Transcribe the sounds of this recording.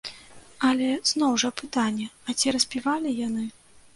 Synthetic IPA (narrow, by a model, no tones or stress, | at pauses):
ɐlʲɛznɔwʐɐpɨt̪anʲːɛɐt͡sʲiɾɐsʲpʲivalʲijanɨ